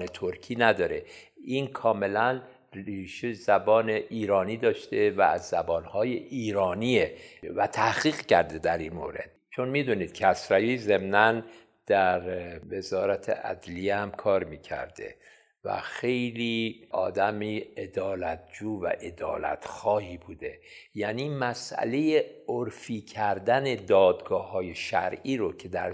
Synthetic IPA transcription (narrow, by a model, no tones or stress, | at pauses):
net̪ʰoɾcʰiːnæd̪ɒːɾe | iːnkʰɒːme̞læn | riːʃezæbɒːneʔiːɾɒːniːd̪ɒːʃt̪evæ̰ːzːæbɒːnhɒːjeʔiːɾɒːnievæt̪ʰæhɣ̥iːɣcæɾd̪ed̪æɾinmoːɾe̞̰d̪̥t͡ʃʰo̞nmiːd̪uːniːd̪̥cʰæsɾæjiːze̞mnæn | d̪̥æɾve̞zɒːɾæt̪ʰḛʔæ̰d̪lijehæmkʰɒːɾmiːcʰæ̰ɾd̪ḛ | væ̰xe̞jliːʔɒːd̪æmiːed̪ɒːlæt̪̚ʰd͡ʒuːvæ̰ʔe̞d̪ɒ̰ːlæ̰t̪ʰxɒːhiːbuːd̪e̞jæniːmæsʔæ̰le̞jeoɾfiːcʰæɾd̪æned̪ɒːd̪ɡɒːhɒːje̞ʃæ̰ɾʔiːɾocʰe̞d̪æɾ